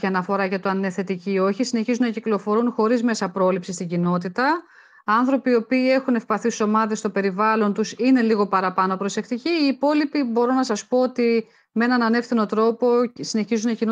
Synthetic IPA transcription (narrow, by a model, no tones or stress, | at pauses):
iɐnɐfo̞ɾɐʝɐt̪oɐneθe̞t̪icio̞çisine̞çizunɐciklo̞fo̞ɾunxo̞ɾizme̞sɐpɾo̞lipsist̪iɲɟino̞t̪it̪ɐ | ɐnθɾo̞pio̞piːe̞xune̞fpɐθiso̞mɐðe̞st̪o̞pe̞ɾivɐlo̞nt̪usine̞liɣo̞pɐɾɐpɐno̞pɾo̞se̞kt̪iciːpo̞lipibo̞ɾo̞nɐsɐspo̞ot̪i | meenɐnɐne̞fθino̞t̪ɾo̞po̞sine̞çizunɐcin